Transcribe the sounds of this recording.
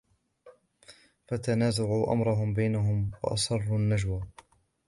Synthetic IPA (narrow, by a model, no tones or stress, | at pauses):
fat̪anaːzaʕuːʔa̰mɾˤɑɦʊmbajnaɦʊmwɑ̰ʔɑ̰sˤɑrˤːunːad͡ʒwa